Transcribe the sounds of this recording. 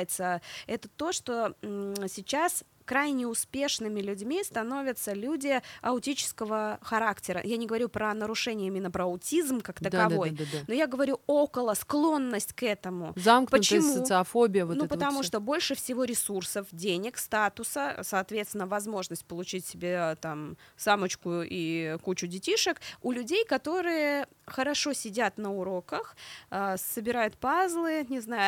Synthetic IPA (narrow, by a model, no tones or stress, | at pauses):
jɪt̪səɛt̪ət̪o̞ʂt̪o̞sʲɪt͡ɕas | kɾajnʲɪʊspʲe̞ʂnɨmʲɪlʲʉdʲmʲist̪ɐno̞vʲɪt̪səlʲudʲɪɐʊtʲit͡ɕɪ̥skəvəxɐɾaktʲɪɾə̰janʲɪɡəvɐɾʲupɾənəɾʊʂɛnʲɪjəimʲɪnːəpɾəɐʊtʲizmkaktt̪əkɐvo̞j̪d̪nojaɡəvɐɾʲuokəlˠəsklˠo̞nːəsʲtʲkɛt̪əmʊzamknpəʊt͡ɕ̪əɪjəmsətusɨɐfobʲɪjəonupət̪ɐmuʂt̪o̞bo̞lʲʂɨfsʲɪvo̞ɾʲɪsursəfdʲenʲɪkst̪at̪ʊsəsɐːt̪vʲet̪st̪ʲɪnːəvɐzmo̞ʐnəsʲtʲpəlˠʊt͡ɕitʲsʲɪbʲet̪amsamət͡ɕkʊikut͡ɕʊdʲɪtʲiʂəkʊlʲʉdʲejkɐt̪o̞ɾɨjə | xəɾɐʂo̞sʲɪdʲat̪nəʊɾo̞kəxəsəbʲɪɾajʊt̪̚pazlˠɨnʲɪznajʊ